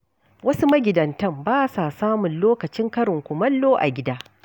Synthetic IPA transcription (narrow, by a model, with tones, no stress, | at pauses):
wɐ˦su˦mɐ˦ɡʲɪ˨dɐ˨ntɐ˦˨mbaː˦sa˨saː˦mʊ˨nloː˦kɐ˨t͡ʃɪ˦ŋkɐ˦ɽɪ˨ŋkʷʊ˨mɐ˦lːoː˦ʔa̰˨ɡʲɪ˦daː˦